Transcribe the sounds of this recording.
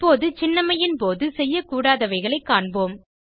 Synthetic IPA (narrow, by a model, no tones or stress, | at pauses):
pːoːðɯt͡ʃɪnːɐmɐjɪnpoːðɯsɛjːɐkuːɽaːðɐʋɐɪɣɐɭɐɪkːaːɳboːm